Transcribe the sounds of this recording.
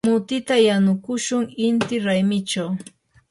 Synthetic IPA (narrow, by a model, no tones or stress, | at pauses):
ʊt̪ɪt̪ajanʊkʊʃʊŋɪnt̪ɪɾajmɪt͡ʃaw